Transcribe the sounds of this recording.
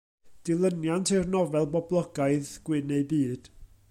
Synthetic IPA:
d̥ɪlˠənjantʰɪrnɔvɛlˠbɔblˠɔɡaɨðɡ̥wɪnejbiːd̥

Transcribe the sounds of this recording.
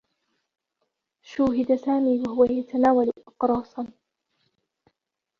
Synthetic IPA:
ʃuːɦɪd̪asaːmiːwaɦʊwajat̪anaːwalʔɪqɾˤɑːsˤɑn

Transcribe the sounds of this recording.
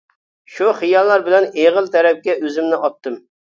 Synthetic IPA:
ʃuχijɑlˠːɑɾbɪlɛneʁəlˠt̪ʰɛɾɛp̚kʲɛʔøzɪmnɪʔɑp̚t̪ːɨm

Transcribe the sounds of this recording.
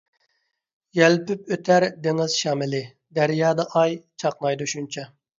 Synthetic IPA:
jɛlpyp̚øt̪ʰæɾd̪eŋɪz̥ʃɑːmɪlɪ | d̪æɾjɑːd̪ɑʔɑjt͡ʃʰɑqnɑjd̪uʃunt͡ʃʰɑ

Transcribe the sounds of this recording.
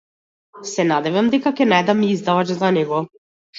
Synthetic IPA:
sɛnad̪ɛvamd̪ɛkakʲɛnajd̪amiizd̪avat͡ʃzanɛɡɔ

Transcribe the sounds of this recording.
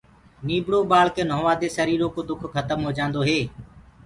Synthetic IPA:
niːbɽoːbaːɭ̤keːnoːʋaːd̪eːsəɾiːɾoːkoːd̪ʊkʰxət̪əmɦoːd͡ʒãːnd̪oːɦeː

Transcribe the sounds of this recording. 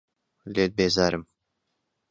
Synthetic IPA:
lʲet̪̚bezaɾɨm

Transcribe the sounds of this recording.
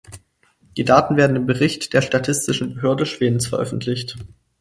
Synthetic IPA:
d̥iːdaːtn̩veːɐdn̩ɪmbəʁɪçtd̥eːɐʃtatʰɪstɪʃn̩bəɦøːɐdəʃv̥eːdn̩sfɛɐʔœ̰fn̩tʰlɪçt

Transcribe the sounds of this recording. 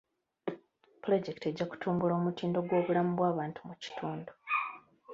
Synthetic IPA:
plo̞ɟe̞kte̞ɟːaku̥tʰuːmbulo̞ːmutiːndo̞ɡwo̞ːβulamuβwaːβaːntumuci̥tʰuːndu

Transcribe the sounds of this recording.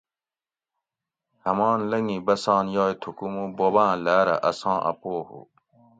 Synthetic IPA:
hɐmɑːnlɐŋibɐsɑːnjɑːjt̪ʰukumubobãːlæːɾɐ̰ʔɐsɑ̃ːʔɐ̰poːhṵ

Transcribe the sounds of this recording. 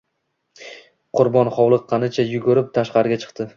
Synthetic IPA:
qʰʊɾbɒnχɒwlˠɨqʰːɑnɪt͡ʃʰajʊɡʊɾɪp̚t̪ʰaʃqɑɾɡʲat͡ʃʰɨ̥qt̪ɪ

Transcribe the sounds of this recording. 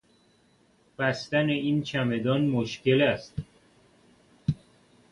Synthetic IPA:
b̥æst̪æneiːnt͡ʃʰæme̞d̪ɒːnmoʃce̞læst̪

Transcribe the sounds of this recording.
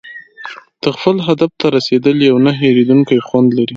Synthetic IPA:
t̪əxpəlɦad̪aft̪aɾased̪əljawnaɦeɾed̪uŋkajxwand̪laɾi

